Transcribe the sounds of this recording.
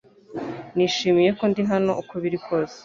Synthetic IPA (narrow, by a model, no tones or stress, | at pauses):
niːʃiːmije̞ko̞ndiɦano̞ʔukoβiɾikʰo̞ːze̥